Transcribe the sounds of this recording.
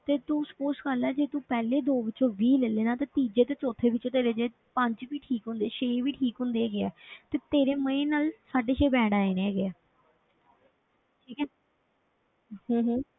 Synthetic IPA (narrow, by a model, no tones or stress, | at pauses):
t̪eːt̪ũːspoːskəlɛːd͡ʒeːt̪ũːpɛːleːd̪oːʋɪt͡ʃõːʋiːlɛleːnaːt̪ãːt̪iːd͡ʒeːt̪eːt͡ʃoːt̪ʰeːʋɪt͡ʃõːt̪eːɾeːd͡ʒeː | pə̃ɲd͡ʒʋiːʈʰiːkɦʊ̃nd̪eːʃeːʋiːʈʰiːkɦʊ̃nd̪eːɡeɛːt̪eːt̪eːɾeːməẽːnaːlsaːɖeːʃeːbɛːɽaːeːneːɛɡɛː | ʈʰiːkɛː | hõːɦː